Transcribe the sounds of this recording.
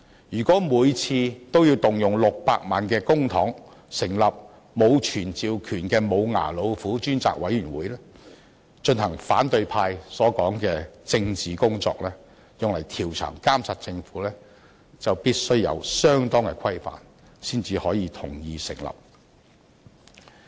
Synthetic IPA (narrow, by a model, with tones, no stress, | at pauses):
jyː˨˩kʷɔː˨˥muː˨˧jt͡sʰiː˧t̪o˥wjiː˧wt̪ʊ˨ŋjʊ˨˩ŋlʊ˨k̚paː˧k̚maː˨˧nkɛː˧kʊ˥ŋt̪ʰɔː˨˥ŋ | sɪ˨˩ŋlɐ˨p̚ | mo˨˧wt͡ʃʰyː˨˩nt͡siː˨˧wkʰyː˨˩nkɛː˧mo˨˧wŋa̰ː˨˩lo˨˧wfuː˨˥t͡ʃyː˥nt͡sa̰ː˨k̚wɐ˨˥jyː˨˩nwuː˨˥jlɛː˥ | t͡ʃɵ˧nhɐ˨˩ŋfaː˨˥nt̪ɵ˧ɥpʰaː˧jsɔː˨˥kɔː˨˥ŋkɛː˧t͡sɪ˧ŋt͡siː˨˩kʊ˥ŋt͡sɔ̰ː˧k̚lɛː˥ | jʊ˨ŋlɐ˨˩jt̪ʰiː˨˩wt͡ʃʰœ̰ː˨˩ŋkaː˥msa˨t̚t͡sɪ˧ŋfuː˨˥lɛː˥ | t͡sɐ˨wpiː˥t̚sɵ˥ɥjɐ̰˧wsœː˥ŋt̪ɔː˥ŋkɛ̰˧kʰɐ˥jfa̰ː˨˩n | siː˥nt͡siː˨˧hɔː˨˥jiː˨˧t̪ʰʊ˨˩ŋjiː˧sɪ̰˨˩ŋlɐ̰˨p̚